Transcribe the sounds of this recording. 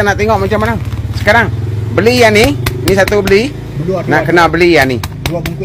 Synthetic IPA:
anaʔt̪eŋɔʔmat͡ʃamːanamsə̥kaɾaŋbəlijaninisat̪ubəli | naʔkənabəlijani

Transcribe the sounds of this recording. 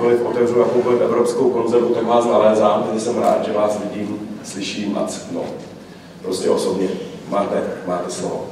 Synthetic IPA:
volɪt̪ʔo̞t̪ɛvrunapubolɪt̪ʔɛ̰vɾo̞pskowko̞nzɛɾvut̪akvaːsnalɛːzaːmt̪ɛʒɛsɛmɾa̰ːt̪ʒɛvaːsvɪɟiːmslɪʃiːmʔa̰t͡sno̰ | pɾo̞scɛʔo̞so̞bɲɛmaːt̪ɛmaːt̪ɛslovo̰

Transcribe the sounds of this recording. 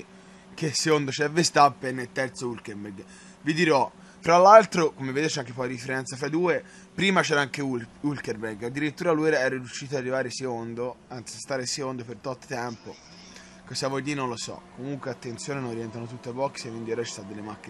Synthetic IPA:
keseond̪ot͡ʃɛvːest̪apːenːelt̪ɛrt̪soulkeɾbɛɡ | vid̪iɾɔ | fɾalːalt̪ɾokomevːed̪eːɾt͡ʃɛaŋkepɔjɾifeɾɛnt̪safɾajd̪uːe | pɾiːmat͡ʃɛːɾaaŋkeuulkerbɛɾɡad̪ːiɾit̪ːuːɾaluɾaɛːɾaɾjuʃːiːt̪oarːivaːɾeseond̪oansiast̪aːɾesekond̪opert̪ɔt̪ːo̥t̪ɛmpo | kosavod̪inonlːosɔ̰kːomuŋkweat̪ːent̪sjoːnenonriɛnt̪anot̪ut̪ːeabɔkːsekːind̪ioɾat͡ʃi̥st̪ad̪elːemakːi

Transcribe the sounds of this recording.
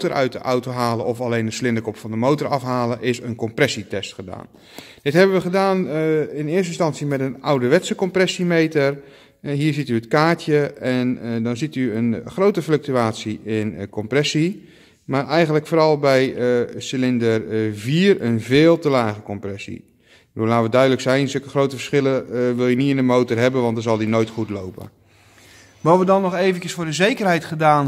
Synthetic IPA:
tərʔœɥt̚əʔawtoɦaːləʔɔfalejndəslɪndəkɔpfɑndəmowtəɾɑfɦaːləʔɪsənkɔmprɛsitɛstχəda̰ːn | d̥ɪtɦɛbəʋəχədaːnɪnɪəstɪnstɑnsimɛtənawdəʋɛtsəkɔmprɛsimejtər | ɦiːɹzityətkaːɹtjəɛndɔnzityənχrowtəflɵk̚tyaːtsiɪnkɔmprɛsi | maːrʔɛjχəntləkfoːɾɑlˠbɛjəsɪlɪndərviːrənvɪːlˠtəlaːχəkɔmprɛsḭ | bədulaːtʋədœɥdələksɛjnsɵkəχrowtəvəsχɪləʋɪlˠjəniɪnəmowtərɦɛbənʋɑntdənzɑlˠdinoːjtχutlowpə̰ | ʋɔʋədɔnːɔχeːvəncəsfʊːɹdəzejkərɦɛjtχədaːn

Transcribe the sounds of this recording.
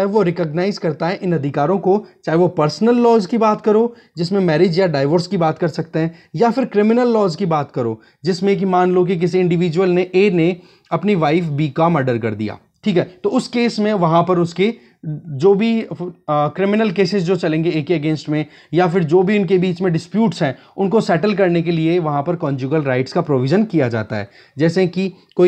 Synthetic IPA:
aɦʋoɾɪkəɡnaːɪzkɐɾt̪aɦɛʔɪnɐd̪ʱɪkaːɾõkot͡ʃaːɦeʋopɐɾsnəlːɔːzkibaːt̪kɐɾoː | d͡ʒɪsmẽmɛːɾɪd͡ʒjaɖaːɪʋəɾskibaːt̪kɐɾsɐk̚t̪eɦɛ̃ːjafɪɾkɾɪmɪnəlːɔːzkibaːt̪kɐɾo̰ː | d͡ʒɪsmẽk̬imaːnlok̬ik̬ɪs̬iɪ̃ɳɖɪʋiːd͡ʒwəlneʔeːne | ɐpniʋaːɪfbiːkamɐɖəɾkɐɾd̪ḭja̰ː | ʈʰiːkɦɛːt̪oːʊskeːsmẽʋɐɦãpɐɾʊske | d͡ʒoːbʱi | kɾɪmɪnəlkeːsɪzd͡ʒoːt͡ʃɐlẽːŋɡeeːkeɐɡẽːnsʈmẽ | jafɪɾd͡ʒoːbʱiʊnkebiːt͡ʃmẽɖɪspjuːʈsɦɛ̃ː | ʊnkosɛːʈəlk̬ɐɾnek̬elieʋɐɦãpɐɾkɔ̃ːnd͡ʒuːɡəlɾaːɪʈskapɾoːʋɪʒənkijad͡ʒa̰ːt̪aɦɛ̰ː | d͡ʒɛːseki | koːi

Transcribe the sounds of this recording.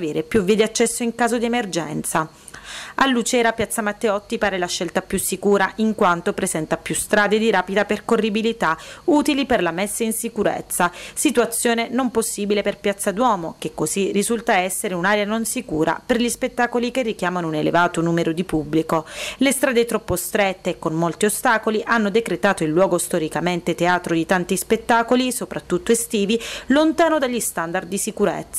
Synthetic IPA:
aveːɾepjuvied̪iat͡ʃːɛsːoiŋkaːzod̪iemerd͡ʒɛnt̪sa | alːut͡ʃɛːɾapjat̪sːamat̪ːeɔt̪ːipaːɾelaʃːɛlt̪apjusːikuːɾaʔiŋkwant̪opɾezɛnt̪apjust̪ɾaːd̪ed̪iɾaːpid̪aperkorːibilit̪auːt̪iliperlamɛsːainsikuɾḛt̪sːasit̪uat̪sːjoːnenomposːiːbileperpjat̪sːad̪wɔːmokekːozirːizult̪aɛsːeɾeunaːɾeanonsikuːɾa̰perʎispet̪ːaːkolikerːik̟jaːmanounelḛvaːt̪onuːmeɾod̪ipubːlikolest̪ɾaːd̪et̪ɾɔpːost̪ɾet̪ːeːkːonmolt̪iost̪aːkoliʔanːod̪ekɾet̪aːt̪oilːwɔːɡost̪oɾikament̪et̪eaːt̪ɾod̪it̪ant̪ispet̪ːaːkolisopɾat̪ːut̪ːoest̪iːvilont̪aːnod̪aʎːist̪and̪ard̪d̪ːisikuɾḛt̪sːa

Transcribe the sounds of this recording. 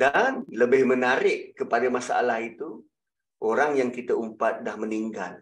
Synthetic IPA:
danləbɪhmənaɾɪʔkəpadamasaa̰lahit̪u | ʔoɾaŋjaŋkit̪aumpat̪̚dahməniŋɡal

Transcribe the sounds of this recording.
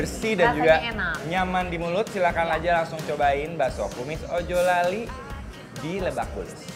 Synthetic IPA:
bərsidand͡ʒuɡaɲamandimulʊt̪̚silakanad͡ʒalaŋsʊŋt͡ʃobaɪnbasɔkumɪsod͡ʒɔlali | diləbakʊ̰n

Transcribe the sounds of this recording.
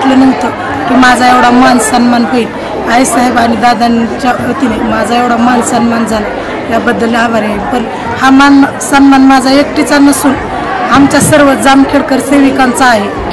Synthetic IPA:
t̪lənəŋɡt̪ə | kimad͡zʱaeʋɽ̤amansənmanɦoil | aisəɦəbaɽ̃id̪ad̪ant͡ɕaɦot̪inajmad͡zʱaeʋɽ̤amansənmand͡zʱala | jabəd̪əlaʋaɾaipən | haman | sənmanmad͡zʱaekʈit͡sanəsuːn | amt͡ɕjasəɾʋəd͡zamkʰeɽkəɾseʋikant͡saːɦe

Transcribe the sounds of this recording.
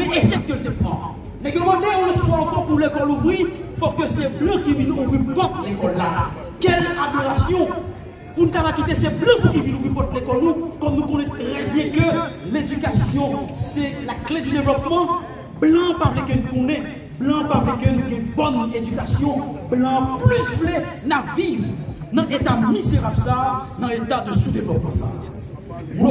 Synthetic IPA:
mɛ̃ʔesɛt̪̚kønt̪epã̰ | nɛɡɛmãd̪eɔ̃lot̪fwaɑ̃kɔpulekɔluvʁifɔkøsɛblɑ̃kivinuvipɔ̃t̪lekɔlːa | kɛladiʁasjɔ̃ | punũtapakit̪esɛblãukivĩnuvĩpɔ̃t̪lekɔlnũkɔmnũkõnɛ̃t̪ʁɛbjɛ̃køledykasjɔ̃sɛlakledyd̪evlɔp̚mɑ̃ | blɑ̃pablɛkənũkõnɛ̃ | blãpablɛkønũɡɛ̃bɔnedykasjɔ̃blãplysplɛnavivnɐ̃ʔet̪amizeʁabsaːnɐ̃et̪ad̪əsud̪evlɔp̚mɑ̃sa̰ː

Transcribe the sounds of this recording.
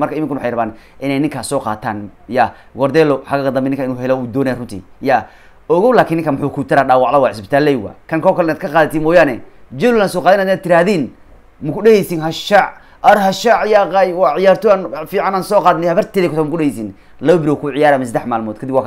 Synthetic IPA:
mɐrkɐɪmɪŋkʊnwħɑjrɐβaːnʔɪnɛjnɪŋkʰaːsɔːqa̰ːt̪ʰa̰ːnja | ɡɔɾd̪ɛːlɔħaɣaɡɐd̪ɐmbɛnːɪŋkʰɐɪnuːɦɛlɛuːd̪ɔːnɛjarʊnt̪ʰḭja | ɔɣɔwlaːkʰiːnːɪŋkɐmʊħuːkʰut̪ʰɪɾaːɖaːwɑʕðɐwaːʕɪsbɪt̪ʰaːlːɛjwa̰ːkʰɐŋkʰɔːkʰɐlɪnaːd̪kʰɐqaːðɐt̪ʰimɔːjaːnɛd͡ʒɛlʊlaːnsɔːqɑːðɛnhd̪ːnːad̪̚t̪ʰɪɾaːðiːn | mʊkʰʊɗɛhɛjsinɦɐʃaʕ | ɐɾhɐʃaʕjaːqɑjwɑʕɪjaːrt̪ɔanfiːʕanaːnsɔːqɑːðnɛhɐβɐrt̪ʰɛːðɛkʊt̪ɔmkʊɗɛhɛjsin | lɐβɐbɪɾwɔkʰʊʕɪjaːɾamɛs̬ɐd̪ɛħmaːlmɔːd̪kʰɐd̪ɪbwaːk

